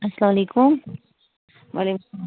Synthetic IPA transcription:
ɐsɐlamɐlekum | ʋale

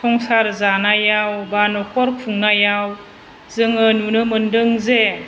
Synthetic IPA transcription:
sʰɔŋsaɾzanajawbanɔkʰɔɾkʰuŋnajaw | zɯŋɯnunɯmɯndɯŋze

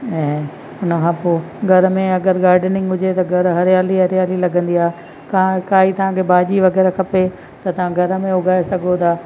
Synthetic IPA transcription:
ɛ̃ː | ʊnəkʰãːpoː | ɡʱɐɾ̆mẽɐɡəɾɡaːɾɖnɪ̃ŋɡɦʊd͡ʑet̪ɐɡʱɐɾɦɐɾjaːliɦɐɾjaːlilɐɡʱə̃nd̪iaːɦe | kakaːɦit̪ɐʋ̤ãːkʰebaːʄiʋɐɣɛːɾakʰɐpe | t̪ɐt̪ɐʋ̤ãɡʱɐɾə̆mẽʊɡʱaːesɐɡʱot̪ʰaː

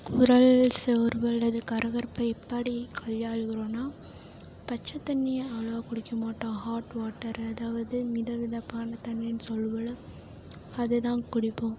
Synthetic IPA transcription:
kʊɾɐɭsɛʋɾʋɐlːɐðɯkɐɾɐɣɐɾpɐɪpːaɽikʰɐɭjaːɻɯɣɪɾõːnaː | pɐt͡ʃːɐt̪ːɐnːɪjɐɐʋɭɐɐkʊɽɪkːɐmaːʈːõːhaːʈʋaːʈːɐɾɐðaːʋɐðɯmɪðɐʋɪðɐpːaːnɐt̪ɐɳːɪnɯsɔlːɯʋɐɭɯ | ɐðɯt̪ãːnkʊɽɪpːõː

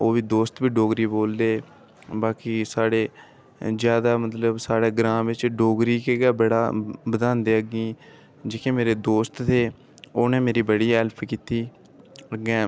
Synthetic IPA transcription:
oːʋiːd̪oːst̪biːɖoːɡɾiːboːld̪eː | baːkiːsaːɽeː | zjaːd̪aːmət̪ləbsaːɽeːɡɾãːʋɪt͡ʃɖoːɡɾiːkeːɡɛːbəɽa̰ːbəd̪ãːnd̪eːəɡĩː | d͡ʒeːkʰẽːmeːɾeːd̪oːst̪t̪eː | oːnẽːmeːɾiːbəɽiːɛlpʰkiːt̪iː | əɡɛ̃ː

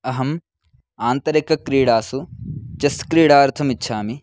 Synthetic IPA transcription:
ɐɦɐm | aːnt̪ɐɾikɐkɾiːɽaːsut͡ʃɐskɾiːɽaːɾt̪ʰɐmitːʃʰaːmi

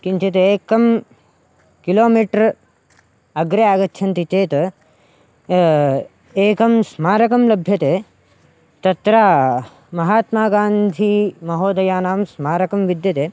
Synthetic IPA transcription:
kint͡ʃɐt̪eːkɐm | kiloːmiːʈɐɾ | ɐɡɾeaːɡɐtːʃʰɐnt̪it͡ʃeːt̪ | eːkɐmsmaːɾɐkɐmlɐbʱjɐt̪eː | t̪ɐt̪ɾaː | mɐɦaːt̪maːɡaːnd̪ʱimɐɦoːd̪ɐjaːnaːmsmaːɾɐkɐmʋid̪jɐt̪eː

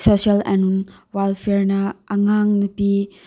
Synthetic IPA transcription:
sosialḛnunwalpʰeɾnɐːŋaŋnɐpi

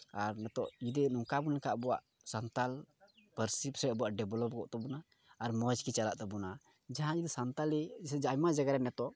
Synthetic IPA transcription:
aɾnɛt̪ɔʔd͡ʒid̪ɛnuŋkabunlɛkaʔbɔwa̰ʔ | sant̪alpəɾsipsɾɛʔbɔuwaʔɖɛblɔp̚ɡɔʔt̪ɛbɔnaː | ɾməd͡ʒkit͡ʃalaʔt̪ɛbɔna | d͡ʒaɦãd͡ʒid̪isant̪alɛɛd͡ʒajmad͡ʒaɡaɾɛnɛt̪ɔʔ

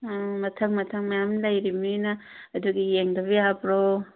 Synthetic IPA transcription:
mɐtʰɐŋmɐtʰɐŋmɐjamlɐjɾimnɐː | duɡijeŋdɐbijabɾo

